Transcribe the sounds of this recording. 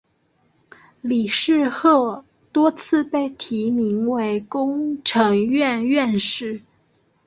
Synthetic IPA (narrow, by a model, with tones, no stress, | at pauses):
li˨˩ʂɻ̩˥˧xɤ˥˩ | t̪wɔ˥t͡sʰɹ̩˥˧pe˥˩ɪt̪ʰi˧˥mi˧˥ŋwe˧˥ɪkʊ˥ŋʈ͡ʂʰɤ˧˥ŋɥɛ˥˧nɥɛ˥˧nʂɻ̩˥˩